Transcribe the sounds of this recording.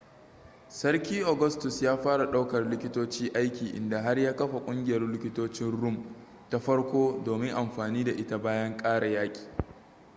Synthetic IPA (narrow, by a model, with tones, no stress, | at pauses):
sɐ˦rkʲiː˦ʔo˨ɡɐ˦stʊ˨sjaː˦ɸaː˦ɽa˨ɗa˦wkɐ˨rlɪ˦kʲɪ˦toː˦t͡ʃiː˦ʔa˦jkʲiː˨ʔɪ̰˨nda˨ɦa˦rjaː˦kɐ˦ɸa˨kʷʼʊ˦ŋɡʲɪ˨jɐ˦rlɪ˦kʲɪ˦toː˦t͡ʃɪ˦nɽʊ˦m | ta˦ɸɐ˦ɽkʷoː˦doː˨mɪ˦ŋʔa˨mɸaː˨niː˦da˨ʔɪ˦ta˨baː˦jɐ˦ŋkʼaː˦ɽa˨jaː˦kʲʼi̥ː˨